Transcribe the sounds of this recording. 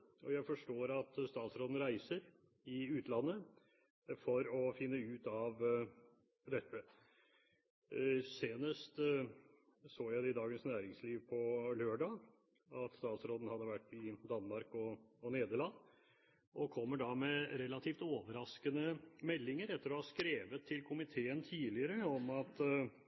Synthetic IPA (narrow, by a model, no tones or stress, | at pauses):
ʔɔjæɪfɔʂʈoːɾɑt̪st̪ɑːt̪sɾoːd̪n̩ɾæɪsəɾ | ɪʉːt̪ʰlɑnːə | fɔɾɔfɪnːəʉːt̪ɑʋ | d̪ɛt̪ːə | seːnəst̪ | soːjæɪd̪ɛɪd̪ɑːɡənsnæːɾɪŋsliːʋpʰɔløːɖɑː | ɑt̪st̪ɑːt̪sɾoːd̪n̩hɑd̪ːəʋæʈːɪd̪ɑnːmɑɾkɔɔneːd̪əɭɑnː | ʔɔkʰɔmːəɖɑmɛɾɛlɑt̪ʰiːft̪oːʋəɾɑskənəmɛlːɪŋəɾɛt̪ːəɾɔhɑskɾeːʋət̪ʰːɪlkʰʊmɪt̪ʰeːənt̪ʰiːlɪəɾəɔmɑt̪